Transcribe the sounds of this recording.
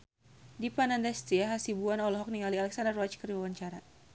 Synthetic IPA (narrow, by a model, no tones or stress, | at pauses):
dipanandast̪iaɦasibuanɔlɔɦɔk̚niŋalialɛksandərɔt͡ʃkəriwawaɲt͡ʃaɾa